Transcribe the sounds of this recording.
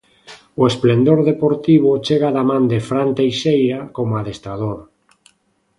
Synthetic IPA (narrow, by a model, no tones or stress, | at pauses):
oesplend̪oɾðepoɾt̪iβ̞ot͡ʃeɣaðamãnd̪efɾant̪ejʃejɾakomoaðest̪ɾaðoɾ